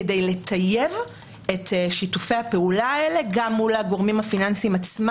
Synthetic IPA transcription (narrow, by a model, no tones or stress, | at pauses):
dejle̞t̪ʰaje̞v | e̞tʃitufejhape̞ulaele̞ɡamːulaɡo̞ʁmimhafinansimat͡sm